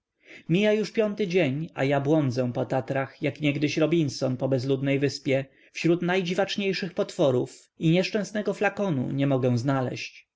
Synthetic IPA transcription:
mʲijajuʂpʲjɔnt̪ɘd͡ʑeɲa̰jabwɔnd̪zɛ̃pɔt̪at̪ɾaxjakɲɛɡd̪ɘɕɾɔbʲinsɔnpɔbɛzlud̪nɛjvɘspʲjɛ | fɕɾut̪najd͡ʑivat͡ʂɲejʂɘxpɔt̪fɔɾuf | iɲɛʂt͡ʂɛ̃w̃snɛɡɔflakɔnṵɲɛmɔɡɛw̃znalɛ̰ɕt͡ɕ

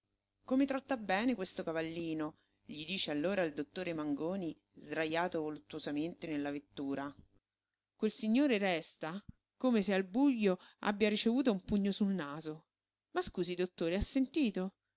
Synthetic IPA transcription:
komet̪ɾɔt̪ːabːɛːnekwest̪okavalːiːno | ʎid̪iːt͡ʃealːoːɾaild̪ot̪ːoːɾemaŋɡoːni | zd̪ɾajaːt̪ovolut̪ːwozament̪enelːavet̪ːuːɾa | kwelsiɲːoːɾeɾɛst̪a | komesealbuʎːoa̰bːjaɾit͡ʃevuːt̪̬oumpuɲːosulnaːzo | maskuːzid̪ot̪ːoːɾeasːent̪iːt̪o

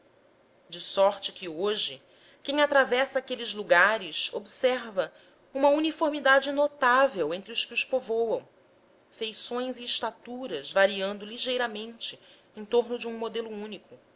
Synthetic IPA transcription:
d͡ʒɪsɔɾt͡ʃɪkɪoʒɪ | kẽj̃at̪ɾavɛsɐaːkelɪzluɡaɾɪso̰bsɛɾvɐ | ũmɐunifoɾmid̪ad͡ʒɪnot̪avewẽnt̪ɾɪʊskɪʊʃpovowɐ̃w̃ | fejsõj̃zɪːʃt̪at̪uɾɐzvaɾiɐ̃nd̪ʊliʒejɾɐmẽnt͡ʃɪẽj̃t̪oɾnʊd͡ʒɪũmod̪elʊũnikʊ

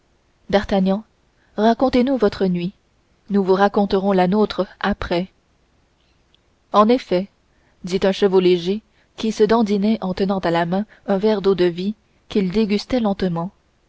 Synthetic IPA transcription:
d̪aʁt̪aɲɑ̃ | ʁakɔ̃t̪enuvɔt̪χənɥi | nuvuʁakɔ̃t̪əʁɔ̃lanot̪χəapχɛ | ɑ̃nefɛ | d̪it̪œ̃ʃəvoleʒe | kʲisəd̪ɑ̃d̪inɛʔɑ̃t̪ənɑ̃t̪alamɛ̃ | ɛ̃vɛʁd̪od̪əvi | kʲild̪eɡʲyst̪ɛlɑ̃t̪əmɑ̃

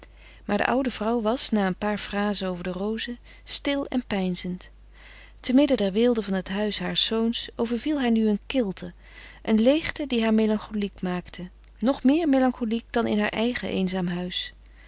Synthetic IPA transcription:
maːɹdə̰ʔʌwdəvrʌwʋɑsnaːənpaːɹfraːzənowvəɹdərowzə | stɪlˠɛ̰npɛjnzənt | təmɪdədɛɹʋɪːlˠdəvɑnɦətɦœɥsɦaːɹsownsowvəɹvilˠɦaːɹnyənkɪlˠtʰə | ʔənlejχtədiɦaːɹmelɑŋχolikmaːktʰə | nɔχmɪːɹmejlɑŋχolik̚d̥ɑnɪ̰nɦa̰ːɹʔɛjχəʔḛjnzaːmɦœɥs

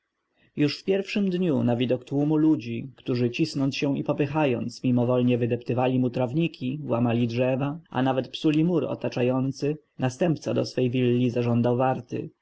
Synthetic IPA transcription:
juʂfpʲjɛɾfʂɘmd̪ɲunavʲid̪ɔkt̪wumulud͡ʑikt̪uʐɘt͡ɕisnɔnt̪sɕɛ̃ipɔpɘxajɔnt̪smʲimɔvɔlɲɛvɘd̪ɛpt̪ɘvalʲimut̪ɾavɲikʲiwamalʲidʐɛvaʔa̰navɛt̪psulʲimuɾɔ̰t̪at͡ʂajɔnt̪sɘ | nast̪ɛmp̚t̪sad̪ɔsfɛjvʲilːizaʐɔnd̪awvaɾt̪ɘ̰

